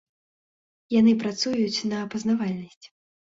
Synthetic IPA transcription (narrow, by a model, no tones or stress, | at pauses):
janɨpɾat̪sujut͡sʲnɐːpɐznavalʲnɐsʲt͡sʲ